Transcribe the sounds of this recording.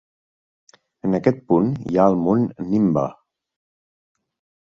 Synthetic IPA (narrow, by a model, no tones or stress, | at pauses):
ənəkɛt̪̚punjaəlˠmonːimbə̰